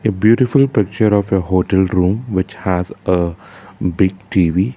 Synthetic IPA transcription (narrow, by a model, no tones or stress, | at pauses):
ebjuːʈɪfʊlpɪk̚t͡ʃəɾɔːʋeɦoːʈɛlɾũːmʋɪt͡ʃhæzə | bɪɡ̚ʈiːʋi